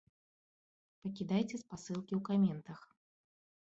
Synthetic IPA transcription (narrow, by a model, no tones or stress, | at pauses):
pɐkʲid̪ajt͡sʲɛspasɨlˠkʲiwkamʲɛnt̪ɐx